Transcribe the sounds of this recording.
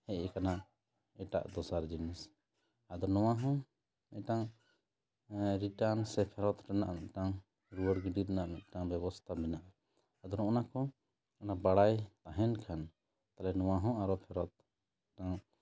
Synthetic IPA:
hɛʔkana | ɛʈa̰ʔd̪ɔsaɾd͡ʒinis | ad̪ɔnɔwaɦɔ̃ | ɛʈaŋ | ɾiʈansɛpʰɛɾɔt̪ɾana̰ʔnɛʔʈaŋ | ɾuwəɽɡiɖiɾɛnaʔnɛʔʈaŋbɛbɔst̪ʰabɛnaʔ | ad̪ɔɾɔ̃ʔɔnakɔ | ɔnabaɽajt̪aɦɛnkʰan | t̪alɛnɔwaɦɔ̃aɾɔpʰɛɾɔt̪̚ | ʈaŋ

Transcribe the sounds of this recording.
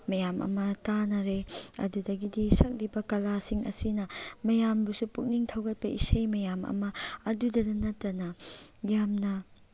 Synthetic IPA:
mɐjamʔɐ̰mɐtanɐɾeɐ̰dudɐɡidisɐk̚libɐkɐlasiŋʔɐ̰sinɐmɐjambusupuk̚niŋtʰɐwɡɐt̚pɐisɐjmɐjamɐ̰mɐɐdudɐdɐnɐtːɐnɐɡjamnɐ

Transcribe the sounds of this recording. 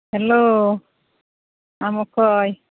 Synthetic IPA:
helo | amɔkɔj

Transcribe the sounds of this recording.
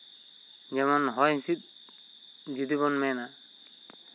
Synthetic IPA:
d͡ʒɛmɔnɦɔjsit̪̚ | d͡ʒid̪iβɔnmɛna

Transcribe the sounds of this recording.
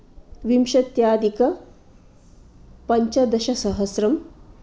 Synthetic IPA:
ʋimʃɐt̪jaːd̪ikɐ | pɐɲt͡ʃɐd̪ɐʃɐsɐɦɐsɾɐm

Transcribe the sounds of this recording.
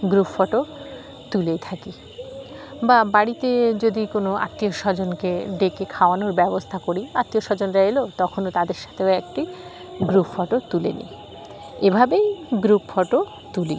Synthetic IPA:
ɡɾupfɔʈo | t̪ulejt̪ʰaki | babaɽit̪ed͡ʑod̪ikonoa̰t̪ːioʃɔd͡ʑonkeɖekekʰaoanoɾbɛbost̪ʰakoɽiat̪ːioʃɔd͡ʑonɾaelot̪ɔkʰonot̪ad̪eɾʃḁt̪ʰeoɛkʈi | ɡɾupfɔʈot̪ulḛnḭ | ebʱabejɡɾupfɔʈo | t̪uli

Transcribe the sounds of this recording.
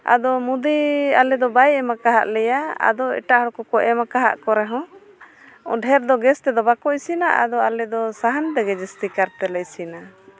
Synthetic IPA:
a̰d̪ɔmud̪ialɛd̪ɔbajɛmakaɦa̰ʔlɛjaa̰d̪ɔɛ̰ʈaʔɦɔɽkɔkɔʔɛmakaɦa̰ʔkɔɾɛɦɔ̃ | ɖʱɛɾd̪ɔɡɛst̪ɛd̪ɔbakɔisina̰ʔa̰d̪ɔalɛd̪ɔsaɦant̪ɛɡɛd͡ʒɛst̪ikaɾt̪ɛlɛjsina

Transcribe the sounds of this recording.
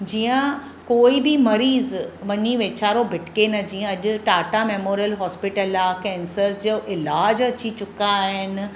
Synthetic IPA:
d͡ʑiːə̃ | koːibɪmɐɾiːzʋɐɲiʋeːt͡ɕaːɾobʱɪʈkenɐd͡ʑiːə̃ɐʄʊ̆ʈaːʈameːmoːɾijəlɦɔːspɪʈəlakɛ̃ːnsəɾd͡ʑoʔɪlaːd͡ʑɐt͡ɕit͡ɕʊkaːɦɪnɪ̆

